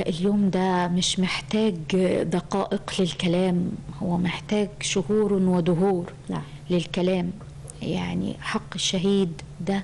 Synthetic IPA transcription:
ʔɪljoːmd̪æmɪʃmɪħt̪æːɡd̪ˤɑqɑ̰ːʔɪqlɪlkælæːmhʊwːæmɪħt̪æːɡʃʊhuːɾnwɪd̪ʊɦuːɾ | lɪlkælæːm | ja̰ʕnḭħɑqːɪʃːaɦiːd̪ | d̪æ

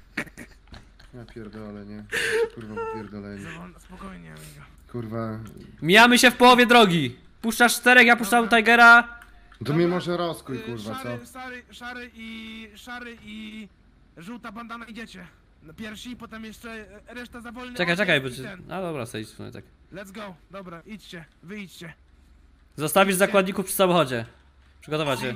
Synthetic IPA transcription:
ɲɛpʲjɛɾd̪ɔlɛɲɛkuɾvapʲjɛɾd̪ɔlɛɲɛspɔkɔjɲɛ̰ɛɡɔ | kuɾvamʲijamɘɕɛfpɔwɔvʲjɛd̪ɾɔɡʲi | puʂt͡ʂaʂt̪ɛɾɛkjapuʂt͡ʂat̪ajɡɛɾa | t̪ɔmʲimɔʐɛɾɔskujkuɾvaɔaɾʂaɾɪiʂaɾɘi | ʐuwt̪aband̪anajd͡ʑɛt͡ɕɛ | pʲjɛɾfɕipɔt̪ɛmjɛʂt͡ʂɛɾɛʂt̪azavɔlnt͡ʃɛkajt͡ʃɛkajbɔt͡ɕad̪ɔbɾa̰sɛisfn̰t̪a̰k | lɛd̪zɡɔd̪ɔbɾait͡ɕt͡ɕɛvɘjt͡ɕt͡ɕɛ | zɔst̪avʲiʐzakwad̪̚ɲikufpʂɘ̥samɔxɔd͡ʑɛ | pʂɘɡɔt̪ɔvat͡ɕɛ

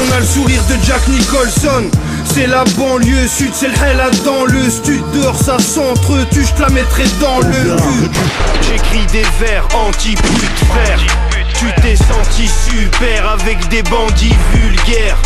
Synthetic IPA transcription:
ɔ̃naləsuʁiʁd̪əd͡ʒaknikɔlsɔn | sɛlabɑ̃ljøsyd̪sɛlħɛlad̪ɑ̃ləst̪yd̪ɔʁsasɑ̃t̪χøt̪yʒp̪lamɛt̪χɛd̪ɑ̃ləʁyʒekχid̪evɛʁɑ̃t̪ipyd̪vɛʁ | t̪yt̪ɛsɑ̃t̪isypɛʁavɛkd̪ebɑ̃d̪ivylɡʲɛːʁ

